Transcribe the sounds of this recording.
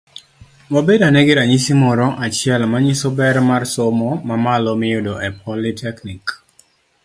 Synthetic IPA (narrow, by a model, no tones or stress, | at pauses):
wabedanɛɡɪɾaɲisimɔɾɔʔat͡ʃɪɛlmaɲisɔbɛɾmarsomɔmamalɔmɪjʊdɔʔɛpʰɔlitʰɛknik